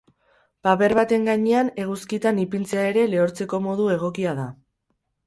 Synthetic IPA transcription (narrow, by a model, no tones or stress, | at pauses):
paβe̞ɾβat̪e̞ŋɡaɲeane̞ɣ̞uskit̪anipint͡seae̞ɾe̞le̞oɾt͡se̞ko̞mo̞ð̞ue̞ɣ̞o̞kiað̞a